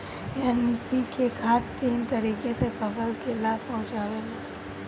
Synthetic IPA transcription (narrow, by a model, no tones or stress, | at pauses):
ɛnpikekʰaːʈt̪iːnt̪əɾiːkesepəsəlkelaːb̚pɔ̃ɦʊ̃t͡ʃaːʋele